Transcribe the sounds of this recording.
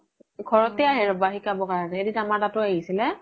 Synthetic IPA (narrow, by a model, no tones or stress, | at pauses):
ɡʰʱɔɹɔtɛaɦɛɹɔbaɦikabɔkaɹɔnɛeditamaɹtatʊaɦisilɛ